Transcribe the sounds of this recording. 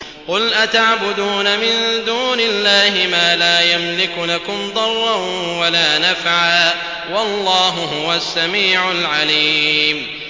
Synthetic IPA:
qʊlʔat̪aʕbʊd̪uːnamɪnd̪uːnɪlːaːhɪmaːlaːjamlɪklakʊmd̪ˤɑrˤːɑn | walaːnafʕaː | wɑlˤːɑːɦʊɦʊwasːamiːʕʊlʕaliːm

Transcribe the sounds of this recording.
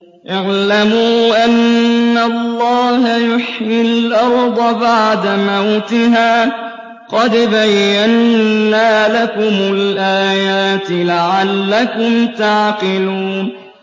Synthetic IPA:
ʔɪʕlamuːʔanːalːɑːhajʊħjɪlʔɑɾˤd̪ˤɑbaʕd̪amawt̪ɪɦaː | qɑd̪bajːanːaːlakʊmʊlʔaːjaːt̪ɪlaʕalːakʊmt̪aʕqɪluːn

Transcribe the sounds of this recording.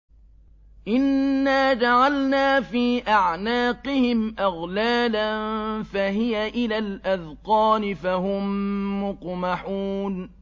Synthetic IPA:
ʔɪnːaːd͡ʒaʕalnaːfiːʔaʕnaːqɪhɪmʔaɣlaːlanfaɦɪjaʔɪlalʔaðqɑːnɪfaɦʊmːʊqmaħuːn

